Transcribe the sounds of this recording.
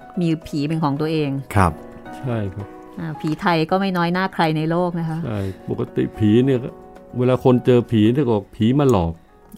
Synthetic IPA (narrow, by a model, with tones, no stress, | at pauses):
miː˧pʰiː˩˦pe˧nkʰɔː˩˦ŋt̪u˧ɐʔeː˧ŋkʰa˦˥p̚ | t͡ɕʰa˥˩jkʰa˦˥p̚ | ʔaː˧˩pʰiː˩˦t̪ʰa˧jkɔː˥˩ma˥˩jnɔː˦˥jnaː˥˩kʰɾa˧jna˧jloː˥˩k̚na˦˥kʰa˦˥ʔt͡ɕʰa˥˩jpo˨˩kːa˧˦t̪ḭ˨˩pʰiː˩˦ni˥˩ɐ˥weː˧laː˧kʰo˧nt͡ɕɤː˧pʰiː˩˦ni˥˩˨kɔː˨˩k̚pʰiː˩˦maː˧lɔː˨˩k̚